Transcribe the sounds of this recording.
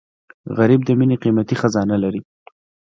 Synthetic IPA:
ɣaɾib̚d̪əmineqimat̪ixazɑnalaɾi

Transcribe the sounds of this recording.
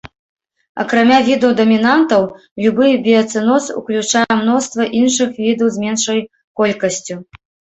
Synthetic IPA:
ɐ̰kɾamʲavʲid̪ɐwd̪ɐmʲinant̪ɐw | lʲubɨjɐbʲiɐt̪sɨnɔsṵklʲut͡ʂajɛmnɔst̪vɐʔinʂɨxvʲid̪ɐwzʲmʲɛnʂɐj | kɔlʲkɐsʲt͡sʲu

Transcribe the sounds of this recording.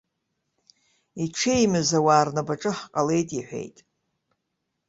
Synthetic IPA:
iʈ͡ʂʰejmɨzawaːrnabaʈ͡ʂʼɨħqʼale̞jtʼiħʷᶣe̞̰jtʼ

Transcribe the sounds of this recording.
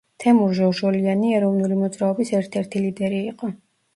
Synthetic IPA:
t̪ʰɛmuɾʒɔʒɔlianiɛɾɔvnulimɔd̪zɾaɔbisɛɾt̪ʰɛɾt̪ʰilid̪ɛɾiːqʼɔ

